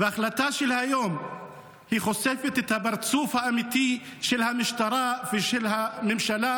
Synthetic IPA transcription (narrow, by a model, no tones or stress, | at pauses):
veʔaxlat̪aʃɛlhajoːm | hixosefɛt̪ɛt̪habɑɾˤt͡sufhaʔamit̪iʃɛlhamɪʃt̪ɑɾˤafeʃɛlhamɪmʃala